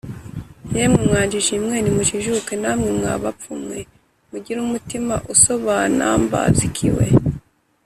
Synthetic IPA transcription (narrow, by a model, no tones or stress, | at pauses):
jemŋemŋaːɲd͡ʒiʒimŋeːnimuʃiʒukenamŋemŋa̰ːβapp͡fumŋe̞ | muɟiɾumutimaʔuso̞βana̰mba̰zikʰḭwḛ